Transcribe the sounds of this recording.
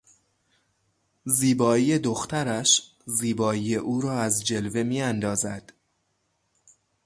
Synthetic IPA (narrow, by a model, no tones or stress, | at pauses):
ziːbɒːije̞d̪oxt̪ʰæɾæʃ | ziːbɒːiːjeʔuːɾɒːæzd͡ʒe̞lve̞miːænd̪ɒːzæd̪̥